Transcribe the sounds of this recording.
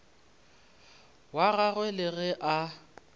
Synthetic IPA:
waɣaɣwɛlɪɣɛʔa

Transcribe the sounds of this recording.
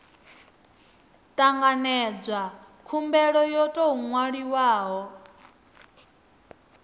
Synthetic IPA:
t̪ʼaŋɡanɛd͡zʷa | kʰumbɛɺɔjɔtʼɔɦuŋwaɺiwaːɦɔ

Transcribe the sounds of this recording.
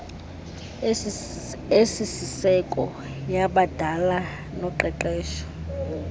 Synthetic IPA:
esisisɛkʼɔ | jaɓad̥ʱala | nɔǃɛǃɛːʃɔ̥

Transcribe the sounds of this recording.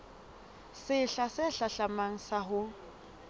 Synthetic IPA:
sɪɬasɪɬaɬamaŋ̩saɦʊ

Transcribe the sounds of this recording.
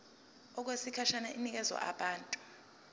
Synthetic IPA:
ɔk̬wesikʰaʃanaʔinik̬ʼɛzwa̰ʔaɓaːntʼu̥

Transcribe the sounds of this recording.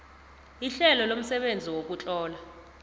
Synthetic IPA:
iɬɛlɔlom̩sɛɓend͡zʱiwok̬ʼut͡ɬʼɔːla

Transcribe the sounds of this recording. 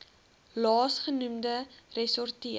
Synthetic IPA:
lɑːsχənumdərɛsɔrtiə

